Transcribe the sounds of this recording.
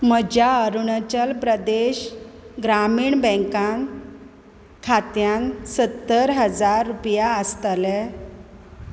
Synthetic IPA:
məd͡ʑaəɾuɳət͡ɕəlpɾəd̪eɕɡɾamiːɳbɛ̃ŋkan | kʰat̪jansət̪ːəɾɦəd͡zaɾːupjaəst̪lɛ

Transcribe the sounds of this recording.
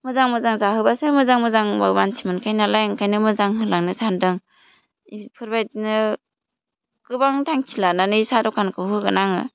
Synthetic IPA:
mɯzaŋmɯzaŋzaɦɯbasɯmɯzaŋmɯzaŋbabansʰimɯnkʰajnalajŋkʰajnɯmɯzaŋɦɯlaŋnɯsandɯŋ | ipʰɯɾbajdinɯ | kɯbaŋtʰaŋkʰilananɯisadɔkʰankʰɯɦɯɡɯnaŋɯ̰

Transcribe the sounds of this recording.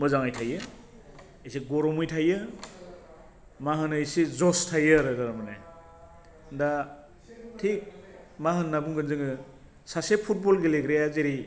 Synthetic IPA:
mɯzaŋajtʰajɯ | esiɡɔɾɔmɯjtʰajɯ | maɦɯnɯjsizɔstʰajɯɾɯdaɾamɯne | nda | tʰik̚mahɯnːabuŋɡɯnzɯŋɯ | sasepʰut̚bɔlɡeleɡɾejazeɾi

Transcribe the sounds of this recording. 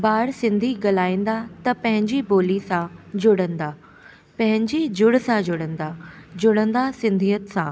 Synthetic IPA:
baːɽsɪ̃nd̪ʱiɡɐlaːĩːn̆d̪at̪ɐpɐ̃ɦɪ̃ɲd͡ʑiboːlisãd͡ʑʊɽə̃nd̪aː | pɐ̃ɦɪ̃ɲd͡ʑid͡ʑʊɽsãd͡ʑʊɽə̃nd̪ad͡ʑʊɽə̃nd̪asɪ̃nd̪ʱiət̪sãː

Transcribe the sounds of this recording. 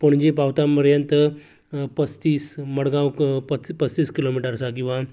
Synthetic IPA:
poɳd͡ʑipaʋt̪ãpəɾjənt̪ə | pət͡st̪iːsməɽɡãwpəpət͡st̪iːskilomiʈəɾsak̬ĩw̃ʋa

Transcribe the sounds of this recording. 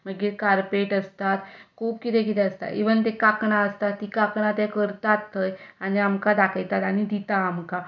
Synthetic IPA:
məɡiːɾkaɾpeʈəst̪at̪kʰuːp̚kit̪ɛk̬it̪ɛəst̪a̰iʋənt̪ekakɳaəst̪at̪ːikakɳat̪jɛkəɾt̪at̪ʰːəjaɽ̃iamkad̪akʰəjt̪at̪aɽ̃id̪it̪aːmka

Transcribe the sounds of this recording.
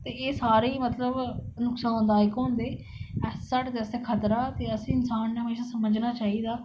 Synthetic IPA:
t̪eːeːsaːɾiːmət̪ləbnʊksãːnd̪aːɪkɦõːnd̪eː | ɛssəʈt̪eəsekʰət̪ɾaːt̪eːəsĩːɪnsaːnːeɦəmeːʃaːsəməd͡ʒnaːt͡ʃaːɦid̪aː

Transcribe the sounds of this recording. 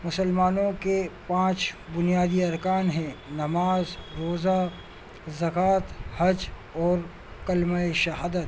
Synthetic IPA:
mʊsəlmaːnõkepãːt͡ʃbʊnijaːd̪iɐɾkaːnɦɛ̃nɐmaːzɾoːza | zɐkaːt̪hɐd͡ʒ | ɔːɾ | kɐlmaːeʃɐɦaːd̪ət̪

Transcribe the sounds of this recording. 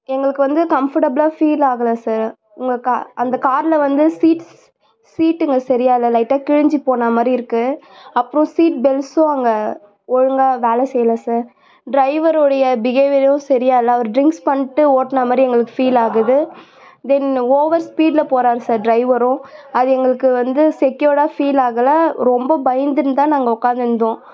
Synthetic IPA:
ɛŋɡɐɭɯkːɯʋɐnd̪ɯkɐmfɐʈɐblaːfiːlaːɣɐlaːsaːɾ | ʊŋɡɐkaʔɐnd̪ɐkaːɾlɐʋɐnd̪ɯsiːʈs | siːʈːɛŋɡɐsɐɾɪjaːɪlːɐlɐɪʈːaːkɪɻɪɲd͡ʒipoːnaːmaːd̪ɾiɪɾɯkːɯ | ɐpːɯɾõsiːʈ̚bɛlsʊ̃ɐŋɡɐ | ɔɻɯŋɡaːʋeːlɛsɛjːɐlasaːɾ | ɖɾɐɪʋɐɾɔɽɐjɐbɪɣeːʋɪljõsɐɾɪjaːɪlːɐɐʋɐɾɖɾɪŋkspɐɳːɪʈːɯoːʈːnamaːd̪ɾiɛŋɡɐɭɯkːɯ̥fiːlaːɣɐðɯ | d̪ɛnoːʋɐɾspiːɖlɐpoːɾaːɾɯsaːɾɖɾɐɪʋɐɾʊ̃ɐðɯɛŋɡɐɭɯkːɯʋɐnd̪ɯsɛkːjoːɽaːfiːlaːɣɐlɐɾɔmbɐbɐjɐnd̪ɯɾɯnt̪ãːnaːŋɡɐʊkːaːnd̪ɐnd̪õː

